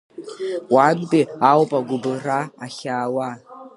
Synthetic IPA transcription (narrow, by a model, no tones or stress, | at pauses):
wantʼiawpʼaɡʷʊbɨraːɬaːwa